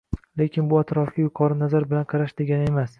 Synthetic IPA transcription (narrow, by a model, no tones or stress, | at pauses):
le̞kʲɪnbʊat̪ɾɒfɡʲajʊqʰɒɾɪnazaɾbɪlanqʰɑɾaʃd̪eɡʲanɪe̞mas